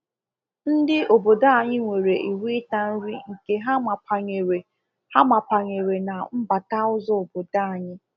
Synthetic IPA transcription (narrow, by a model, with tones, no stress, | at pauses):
n̩˦dɪ˦o˨bo˨da˦a˨ɲɪ˦ŋʷe˨ɾe˨ʔi˨wi˦ta˦n̩˦ɾi˦ŋ̩˨ke˦ɦa˦ma˨pa˨ɲe˨ɾe˨ | ha˦ma˨pa˨ɲe˨ɾe˨na˨m̩˦ba˨ka˦ʊ˦zɔ˦o˨bo˨da˦a˨ɲɪ˦